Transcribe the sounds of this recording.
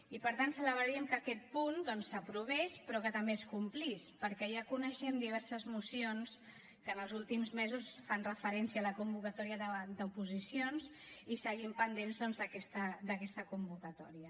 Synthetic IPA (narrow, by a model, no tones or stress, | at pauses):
ipəɾt̪ant̪sələβɾəɾiəmkəkɛt̪̚pund̪ɔnsəpɾuβ̞ɛspɾɔkət̪əmbeeskumplispəɾkɛjakunəʃɛmd̪iβ̞ɛɾsəzmusions | kənəlˠzulˠt̪imzmezusfanrəfəɾɛnsiəaːləkumbukət̪ɔɾiəðəd̪əupuzisions | isəɣimpənd̪enzðɔnzðəkɛst̪əd̪əkɛst̪əkumbukət̪ɔɾiə